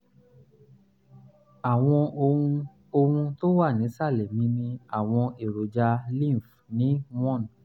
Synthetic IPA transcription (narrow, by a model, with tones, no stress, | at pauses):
a˨w̃ɔ̃˧õ˧ | o˧hũ˧to˦wa˦˨nĩ˨˦sa˦˨lɛ˨mĩ˨˦mĩ˧a˨w̃ɔ̃˧e˨ɾo˨d͡ʒa˧lĩ˦˨f | nĩ˨˦w̃ɔ̃˦˨n˨